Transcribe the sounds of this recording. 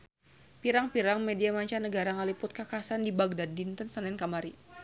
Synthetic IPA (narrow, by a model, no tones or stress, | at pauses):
piɾaŋpiɾaŋmediamaɲt͡ʃanəɡaɾaŋalipʊt̪̚kakasandibaɡ̚dadint̪ənsanɛnkamaɾi